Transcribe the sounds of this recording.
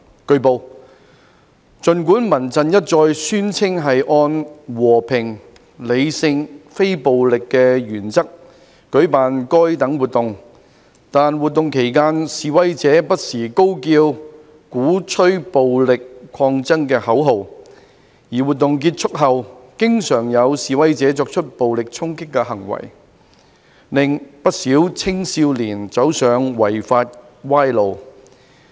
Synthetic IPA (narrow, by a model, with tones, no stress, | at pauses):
kɵ˧ɥpo˨w | t͡ʃɵ˨nk̬uː˨˥nmɐ˨˩nt͡sɐ˨njɐ˥t̚t͡ʃɔː˧jsyː˥nt͡sʰɪ˥ŋɦɐ˨jʔɔː˧nwɔː˨˩pʰɪ˨˩ŋ | le˨˧jsɪ˧ŋfe˥jpo˨wlɪ˨kːɛː˧ɥyː˨˩nt͡sɐ˥k̚ː | ɵ˨˥ɥpaː˨nkɔː˥jt̪ɐ˨˥ŋwuː˨˩t̚t̪ʊ˨ŋ | t̪aː˨nwuː˨t̪̚ːʊ˨ŋkʰe˨˩jkaː˥nsiː˨wɐ˥jt͡sɛː˨˥pɐ˥t̚siː˨˩ko˥wkiː˧w | kuː˨˥t͡ʃʰɵ˥ɥpo˨wlɪ˨kʷʰːɔː˧ŋt͡sɐ˥ŋkɛː˧hɐ˨˥wɦo˨w | jiː˨˩wuː˨t̚t̪ːʊ˨ŋk̬iː˧t̚t͡ʃʰʊ˥k̚ɦɐ˨wkɪ˥ŋsœː˨˩ŋjɐ˨˧wsiː˨wɐ˥jt͡sɛː˨˥t͡sɔː˧k̚t͡ʃʰɵ˥t̚po˨wlɪ˨k̚t͡sʰʊ˥ŋkɪ˥kːɛ˧hɐ˨˩ŋwɐ̰˨˩j | lɪ˨˩ŋpɐ˥t̚siː˨˥wt͡sʰɪ˥ŋsiː˧wliː˨˩nt͡sɐ˨˥wsœː˨ŋwɐ˨˩jfaː˧t̚ | waː˥jlo˨w